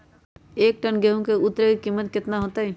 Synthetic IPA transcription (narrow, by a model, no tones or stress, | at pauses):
eːk̚ʈənɡeɦũkeʊt̪ːɾəkikimːət̪̚kɪt̪naɦoːt̪aɦɛ